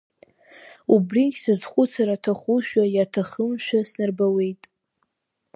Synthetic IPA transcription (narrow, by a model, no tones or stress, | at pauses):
ubrikʲsɨzχʷʊt͡sʰaɾatʰaχuʃᶣajatʰaχəmʃᶣasnarbawe̞jtʼ